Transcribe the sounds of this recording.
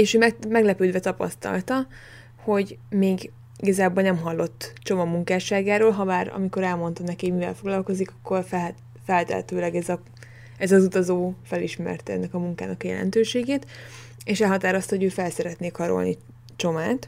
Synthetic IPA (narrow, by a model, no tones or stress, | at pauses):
eːʃøːmɛmɛɡlɛpøːd̪vɛt̪ɒpɒ̰st̪ɒ̰lt̪ɒ | ho̞ɟmeːɡ | iɡɒzaːbolnɛmɦɒlːo̞t̪ːt͡ʃo̞mɒmuŋkaːʃaːɡaːɾoːlɦɒbaːɾɒ̰miko̞ɾɛlmo̞nt̪ɒnɛkeːmivɛ̰lfo̞ɡlɒlko̞zikɒkːo̞rfɛ | fɛlt̪ɛ̰ɦɛ̰t̪øːlɛɡɛzɒ | ɛzɒzut̪ɒzoːfɛliʃmɛ̰rt̪ɛnːɛkɒmuŋka̰ːnɒkjɛ̰lɛ̰nt̪øːʃeːɡeːt̪ | eːʃɛlɦɒt̪aːɾost̪ɒɦoɟøːfɛlsɛɾɛt̪neːkʰɒɾo̞̰lni | t͡ʃo̞maːt̪